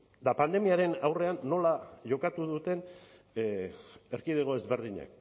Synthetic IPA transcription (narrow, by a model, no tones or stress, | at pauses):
d̪apand̪e̞miaɾe̞nawre̞anːo̞laʝo̞kat̪uðut̪e̞n | e̞ɾkið̞eɣ̞o̞ezβe̞ɾðiɲa̰k